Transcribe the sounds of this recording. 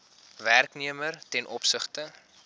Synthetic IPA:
værkniəmərtɛnʔɔpsəχtə

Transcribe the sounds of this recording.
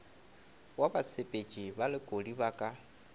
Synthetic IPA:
wabasʰepʼet͡ʃʼibalɪkʼodiβaːkʼa

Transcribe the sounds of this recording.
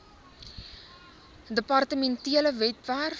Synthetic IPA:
dəpɐrtəmɛntiələvɛtvæːr

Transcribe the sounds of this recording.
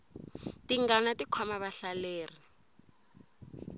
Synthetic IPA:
tiŋɡanatikʰɔmaβaɬaleːri

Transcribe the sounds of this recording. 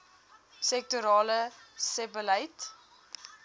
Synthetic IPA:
sɛk̚tuɾɑːləsɛbəlɐjt

